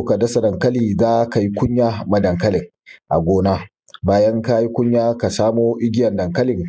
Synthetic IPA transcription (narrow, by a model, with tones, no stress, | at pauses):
ka˨dɐ˦sɐ˨dɐ˨ŋkɐ˦liː˨zaː˦ka˨ji˦kʷʊ˦ɲjaː˦mɐ˨dɐ˨ŋkɐ˦lɪ˨ŋ | ʔa̰˨ɡʷoː˦naː˦ | baː˦jɐ˦ŋka˦ji˦kʷʊ˦ɲjaː˦ka˨saː˦moː˦ʔɪ˦ɡʲɪ˦jɐ˨ndɐ˨ŋkɐ˦lɪ˨ŋ